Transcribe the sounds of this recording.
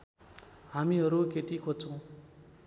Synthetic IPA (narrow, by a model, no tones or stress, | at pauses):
ɦamiɦʌɾukeʈikʰot͡sʰʌ̃w̃